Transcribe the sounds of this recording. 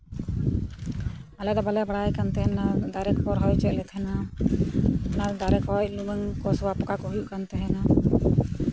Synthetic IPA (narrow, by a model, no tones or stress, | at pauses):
alɛd̪ɔbalɛbaɽajkant̪ɛɛnad̪aɾɛk̚pɔɾɦɔjt͡ʃɛʔ̚lɛt̪ʰɛna | nad̪aɾɛkhɔjluməŋkɔsɔwapɔkakɔɦujuʔkant̪ɛɦɛna